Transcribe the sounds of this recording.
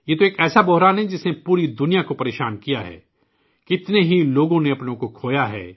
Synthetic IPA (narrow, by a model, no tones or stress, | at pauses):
jeːt̪oeːkɛːsabɔɦɾaːnɦɛd͡ʒɪsnepuːɾid̪ʊnijakopɐɾeːʃaːnkijaɦɛ̰ː | kɪt̪neɦiloːɡõneɐpnõkokʰoːjaɦɛ̰ː